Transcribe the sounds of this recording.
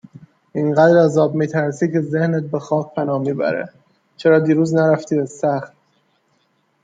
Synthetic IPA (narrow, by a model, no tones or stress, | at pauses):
ʔiŋɢæd̪ɾæzɒːbmiːt̪ʰæɾsiːkʰe̞zehnet̪̚bexɒːk̚pʰænɒːhmiːbæ̰ɾḛ | t͡ʃʰeɾɒːd̪iːɾuːznæɾæft̪ʰiːæzsæxt̪